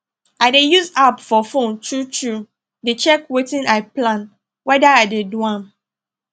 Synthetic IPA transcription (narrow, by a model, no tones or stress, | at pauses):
aɪdejuzapfɔfõntʰut͡ʃu | det͡ʃɛkwetĩnaɪplãn | wɛdaadeduãm